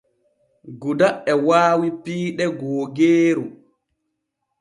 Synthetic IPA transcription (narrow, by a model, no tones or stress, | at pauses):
ɡudaʔɛwaːwipiːɗɛɡɔːɡeːɾu